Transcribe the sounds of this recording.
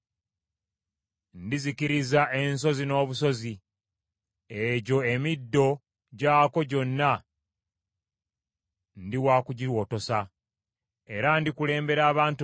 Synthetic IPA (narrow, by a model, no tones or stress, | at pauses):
ndizikiɾizaʔe̞nso̞zino̞ːβuso̞zi | eɟo̞e̞midːo̞ | ɟaːko̞ɟo̞nːa | ndiwaːkuɟiɾwo̞ːto̞sa | e̞ɾandikule̞ːmbe̞ɾaːβaːntu